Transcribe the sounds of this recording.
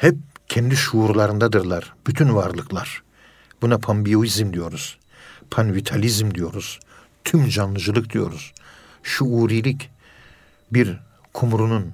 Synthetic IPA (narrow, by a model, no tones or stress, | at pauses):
hɛp̚cʰɛnd̪iʃuːɾlˠaɾɯnd̪ad̪ɯɾlˠaɾ̥b̥yt̪ʰynvaɾlˠɯklˠaɾ̥ | b̥unapʰambijoizmd̪ijo̞ɾuz̥ | pʰanvit̪ʰalʲizmd̪ijo̞ɾuz̥ | t̪ʰymd͡ʒanlˠɯd͡ʒɯlˠɯk̚d̪ijo̞̰ɾuz̥ | ʃuuɾilʲic | biɾ | kʰumɾunun